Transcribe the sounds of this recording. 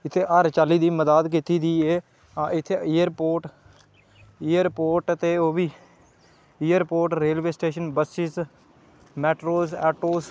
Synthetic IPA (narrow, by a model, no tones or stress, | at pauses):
ɪt̪ʰːeːʔəɾt͡ʃaːliːd̪iːməd̪aːd̪kɪt̪iːd̪iːeː | ɪt̪ʰːeːɪːəɾpoːɾʈ | ɪːəɾpoːɾʈt̪eːoːbiː | ijəɾpoːɾʈɾeːlʋeːsʈeːʃənbəsɪs | mɛːʈɾoːsɛːʈoːs